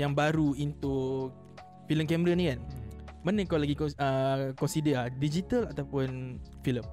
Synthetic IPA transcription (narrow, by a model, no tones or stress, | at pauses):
jaŋbaɾuint̪u | filəmkɛməɾanikanmənə̃kawlaɡikɔəkɔnsidəladid͡ʒit̪əlat̪awpʊnfiləm